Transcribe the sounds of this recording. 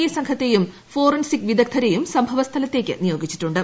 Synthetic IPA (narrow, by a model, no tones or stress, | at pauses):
ijɐsɐŋkʰɐt̪ːe̞jum | fo̞ːrɐnsikʋid̪ʱɐk̚t̪ʰɐɾejumsɐmbʱɐʋɐst̪ʰɐlɐt̪ːe̞ːkʲːɨ̰nijo̞ːɡit͡ɕːi̥ʈːuɳɖɨ